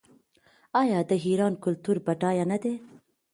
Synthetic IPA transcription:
ɑjɑd̪əɦiɾɑnkʊlt̪uɾbaʈɑjanad̪e

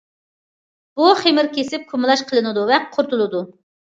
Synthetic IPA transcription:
b̥uχemɪɾkʲesɪp̚kʰumɨlˠɑʃqʰəlˠɨnɨd̪uvɛqqʰʊɾt̪ʰulˠɨd̪u

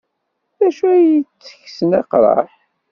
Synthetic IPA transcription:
ðæʃuæjit͡sːə̥çsənɑqɾˤɑ̰ħ

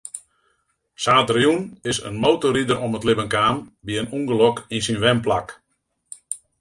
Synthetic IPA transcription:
saːtrjunɪsə̰nmowtoɾidəɾɔmətlɪbənkaːnbiənuŋɡəlɔkinsinʋɛmplak

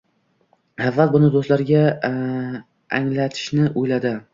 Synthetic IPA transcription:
avːalbʊnɪd̪ost̪laɾɡʲa | a̰ŋlat̪ʰɪ̥ʃnɪʔojlad̪ɪ

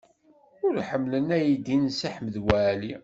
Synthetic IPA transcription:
ʊɾħəmːlənæjid̪insaħməðwæli

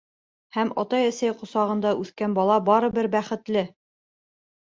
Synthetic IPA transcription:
hæmɒ̰t̪ɑjæsæjqŏsɑʁɤ̆nd̪ɑʔʉθkænbɑlˠɑbɑɾɤ̆bɘɾbæχɘ̆t̪lɘ

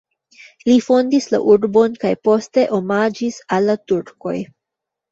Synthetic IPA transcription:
lifo̞ndisla̰ʔuɾbo̞nkajpo̞ste̞ʔo̞mad͡ʒisalːatuɾko̞̰j

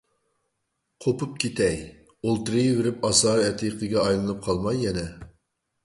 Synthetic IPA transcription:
qʰopup̚kʲʰet̪ʰɛj | olˠt̪ɨɾɨjvɪɾɪpɑsɑːɾɛt̪ʰijqˠɨɡʲɛɑjlˠɨnɨp̚qʰɑlˠmɑjːɛnɛ

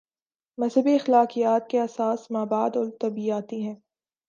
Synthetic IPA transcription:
mɐzɦəbiɐxlaːqijaːt̪̚keɐsaːsmaːbaːd̪ɔɾt̪ɐbiaːt̪iɦɛ̃ː

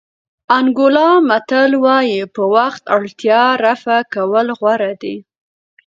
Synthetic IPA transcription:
aŋɡʊlɑmat̪əlwɑjipəwaxt̪aɽt̪jɑɾafakawəlɣwaɾad̪i

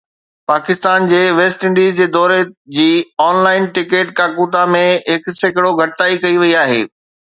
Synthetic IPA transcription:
paːkɪst̪aːnd͡ʑeːʋeːsʈɪ̃ɳɖiːzd͡ʑeːd̪ɔːɾed͡ʑiːɔːnlaːɪnʈɪkeːʈkaːkuːt̪amẽɦɪksekɪɽoɡʱɐʈɪt̪aːikɐiʋɐiaːɦḛː

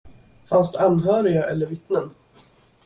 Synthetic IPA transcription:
fansd̪ɛanːɦœːɾɪɡaʔɛlːəɾvɪt̪nən

